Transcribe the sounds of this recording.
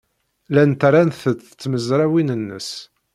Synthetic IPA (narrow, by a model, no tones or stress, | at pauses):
lænt̪ɾˤanθət͡sːə̥t͡sːməzɾˤæwinənːə̰s